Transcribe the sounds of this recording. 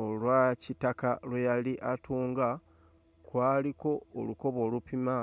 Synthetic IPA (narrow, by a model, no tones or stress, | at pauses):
olwacitakalwejaliʔatuːŋɡa | kwaːliko̞ːluko̞βo̞ːlupima